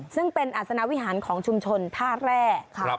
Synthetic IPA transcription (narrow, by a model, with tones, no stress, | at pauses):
sɯ˥˩ŋpe˧nʔaː˨˩t̪̚sa˧na˦˥wi˦˥ɦaː˩˦nkʰɔː˩˦ŋt͡ɕʰu˧mt͡ɕʰo˧nt̪ʰaː˥˩ɾɛː˥˩kʰa˧˩